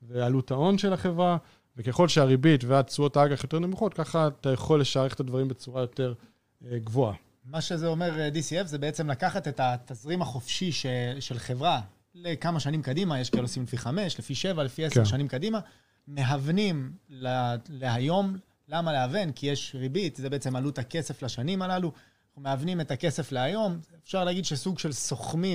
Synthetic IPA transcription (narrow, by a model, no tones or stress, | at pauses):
vealutao̞nʃelaχe̞vʁa | vekeχo̞lʃeaʁibitveat͡suotaaɡaχjo̞t̪e̞ʁnemuχo̞tkaχat̪ajaχo̞lːe̞ʃaʁeχet̪advaʁimbet͡suʁajo̞te̞ʁ | eɡvoa | maʃezeo̞me̞ʁdisiefzebeet͡se̞mlakaχat̪e̞tatazʁimaχo̞fʃiʃeʃe̞lχe̞vʁa | lekamaʃanimkadimajeʃkilosimlefiχame̞ʃlefiʃe̞valefieseʃanimkadima | me̞ɦavnimlale̞ɦajo̞m | lamaleavenkijeʃʁibitzebe̞et͡se̞malut̪akese̞flaʃanimalalu | umeavnime̞take̞se̞fleajo̞mefʃaʁleaɡid̪ʃesuɡʃe̞lso̞χmi